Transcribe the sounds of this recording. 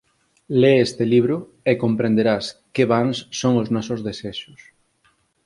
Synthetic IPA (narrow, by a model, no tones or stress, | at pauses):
leest̪ɪliβ̞ɾʊ | ekompɾend̪eɾaskeβaŋsːoŋʊznɔsʊzðeseʃʊs